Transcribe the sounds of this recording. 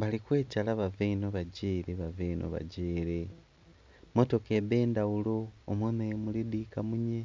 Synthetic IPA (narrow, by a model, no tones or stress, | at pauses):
βalikwe̞ːcalaβaveinoβaɟiːɾeβaveinʔo̰βa̰ɟeːɾe | mo̞to̞keβe̞ːndawulo̞ːmweːmeemulidiːkamuɲe